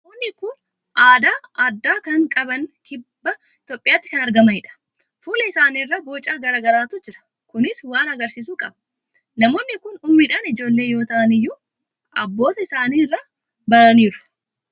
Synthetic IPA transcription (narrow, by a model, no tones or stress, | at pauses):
nɐmoːnːɪkʊn | ʔaːd̪aːɐd̪ːaːkɐŋkʼɐbɐŋkɪbbːɐ | t̪ɔpʼːɪjaːt̪ːɪ̥kɐnɐɾɡɐmɐɪᶑɐ̥ | fuːlɛɪsaːniːrːɐbo̞ːt͡ʃʼːaːɡɐɾaːɡɐɾaːt̪ʊd͡ʒɪɾɐ̥ | kʊnɪswaːnɐɡɐɾsiːsuːkʼɐ̰bɐ | nɐmo̞ːnːɪkʊnʊmnɪᶑanɪd͡ʒo̞ːlːe̞ːjo̞ːt̪ɐʔɐnɪjːʊ | ɐbːo̞ːt̪ɐɪsaːniːrːɐ | bɐɾɐniːɾʊ̥